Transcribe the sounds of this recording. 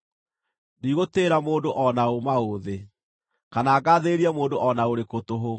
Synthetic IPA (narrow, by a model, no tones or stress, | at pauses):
niɣoteɾamoːndoʔɔnaomaoðe | kanaːɡaðeɾiamoːndoʔɔnaoɾekotoɦo